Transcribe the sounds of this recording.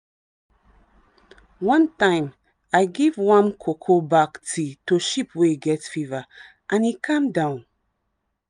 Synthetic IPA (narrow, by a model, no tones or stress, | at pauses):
wʌ̃ntãɪ̃m | aɪɡivwʌ̃mkʰokʰobaktʰitoʃipʰweɡɛtfivə | ʔãnhikʰʌ̃mdãʊ̃n